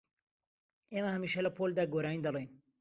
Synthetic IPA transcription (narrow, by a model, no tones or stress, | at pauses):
eːmɐhɐmiːʃɐlɐpʰoːld̪aːɡoːɾaːind̪ɐlˠejn